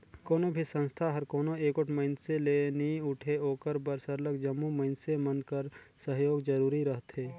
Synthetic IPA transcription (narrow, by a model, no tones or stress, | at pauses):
koːnobʱisə̃nst̪ʰaɦɐɾkoːnoeːkʊʈʰməɪnseleːniʊʈʰeoːkəɾbəɾsəɾləkd͡ʒəmːuməɪnsemənkəɾ | səɦjoːɡd͡ʒəɾuːɾiɾəɦt̪ɦeː